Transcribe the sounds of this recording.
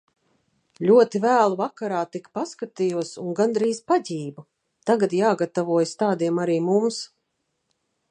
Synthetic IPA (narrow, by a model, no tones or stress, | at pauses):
lʲuɔt̪ivæːlˠuvakaɾaːt̪ikpaskat̪ijuɔsunɡand̪ɾiːzpadʲiːbu | t̪aɡad̪jaːɡat̪avuɔjst̪aːd̪iɛmaɾiːmums